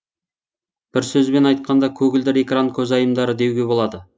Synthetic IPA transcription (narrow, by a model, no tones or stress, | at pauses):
b̥ɪɾsɵzbe̞nɑjt̪̚qɑnd̪ɑkʲʰɵɡʲɪld̪ɪɾe̞kraŋkʲʰɵzɑjəmd̪ɑɾəd̪e̞wɡʲe̞bo̞lˠɑd̪ə